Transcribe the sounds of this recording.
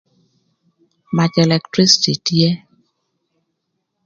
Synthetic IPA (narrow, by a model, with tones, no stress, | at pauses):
ma˨t͡ʃɛ˨lɛ˨ktɾi˦si̥˨ti˨tje˦